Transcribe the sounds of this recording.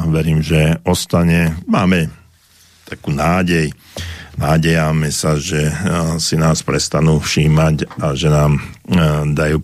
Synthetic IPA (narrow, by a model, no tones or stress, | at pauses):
ʋɛɾiːmʒɛɔst̪aɲɛmaːmɛ | t̪akuːnaːɟɛj | naːɟɛjamɛsaʒɛsinaːspɾɛst̪anuːfʃiːmacaʒɛnaːm | d̪ajuː